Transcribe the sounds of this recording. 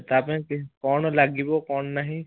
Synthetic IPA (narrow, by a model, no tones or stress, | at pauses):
t̪apẽkɪkɔːnlaɡibokɔːnnaɦĩ